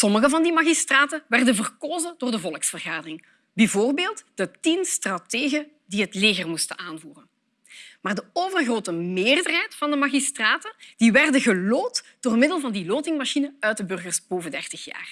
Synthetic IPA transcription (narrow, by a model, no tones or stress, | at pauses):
sɔməɣəvɑndimaːɣistraːtəʋɛrdəvərkoːzədoːrdəvɔlˠəksfərɣaːdərɪŋ | bɛvoːrbeːlˠtd̥ətinstrateːɣə | diɦətleːɣərmustənʔaːnvuːrən | maːrdəoːvərɣroːtəmeːrdərɦɛjtfɑndəmaːɣistraːtəd̥iʋɛrdəɣəloːtd̥oːrmɪdəlˠvɑndiloːtɪŋmaʃinəœɥt̚dəbɵrɣərsb̥oːvəndɛrtəxja̰ːr